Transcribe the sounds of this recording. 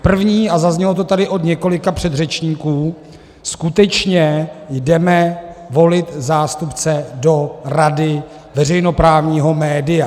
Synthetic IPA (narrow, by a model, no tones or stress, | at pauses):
pr̩vɲiːazazɲɛlo̞t̪o̞t̪adɪʔo̞d̪ɲɛko̞lɪkapr̝̥ɛd̪rɛt͡ʃɲiːkuː | skut̪ɛt͡ʃɲɛjdɛmɛvo̞lɪt̪zaːst̪upt͡sɛdo̞ɾadɪ | vɛrɛjno̞pɾaːvɲiːɦo̞mɛːdɪja